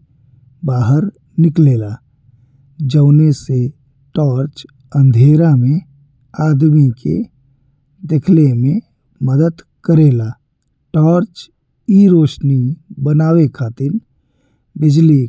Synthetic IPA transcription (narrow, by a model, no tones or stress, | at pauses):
baːɦəɾ | nɪkleːla | d͡ʒəːnese | ʈɔːɾt͡ʃ | ə̃nd̪ʱeːɾamẽ | aːd̪mikḛ | d̪ekʰlemẽ | məd̪əd̪ | kəɾeːlaː | ʈɔːɾt͡ʃ | iɾoːʃnibənaːwekʰaːt̪ɪn | bɪd͡ʒli